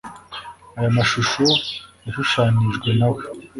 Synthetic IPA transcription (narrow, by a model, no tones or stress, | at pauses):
ajamaʃuʃojaʃuʃaːniʒɡwenawe